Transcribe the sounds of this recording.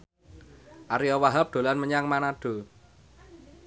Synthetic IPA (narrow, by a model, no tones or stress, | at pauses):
ʔaɾiɔwaɦap̚d̪̥o̤lanməɲaŋmanaɖ̥o̤